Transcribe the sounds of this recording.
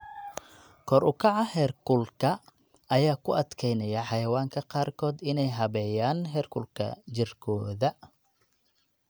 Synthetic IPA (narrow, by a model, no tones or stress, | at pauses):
kʰɔɾʊkʰɑʕɑhɛːrkʰʊlkʰɐ | ɐjaːkʰʊʔɐd̪kʰɛjnɐjɐħɑjɐwaːŋkʰɐqɑːrkʰɔːd̪ɪnɛjɦɐβɛːjaːnɦɛːrkʰʊlkʰɐ̰t͡ʃɪrkʰɔːðɐ